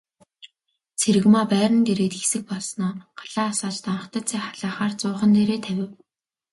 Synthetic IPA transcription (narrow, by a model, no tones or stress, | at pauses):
t͡sʰeɾɘ̆ɣmaːpæːɾə̆nɡ̪eɾeːt̪xesɘ̆k̚pɔɮsnɔːɢ̥ḁɮaːsaːt͡ɕt̪ʰanə̆χt̪ə̆t͡sʰæːχaɮaːχaːrt͡sʊːχə̆nt̪eɾeːt̪ʰæwʲɪ̆w